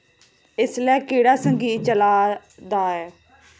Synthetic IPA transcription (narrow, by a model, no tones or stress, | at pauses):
ɪslɛːkeːɽaːsəŋɡiːt͡ʃəlaː | d̪aːɛː